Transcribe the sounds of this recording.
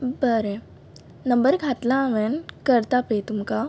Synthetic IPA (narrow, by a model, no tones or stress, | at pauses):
bəɾẽ | nəmbəɾɡʱat̪lãːʋɛnkəɾt̪apet̪umka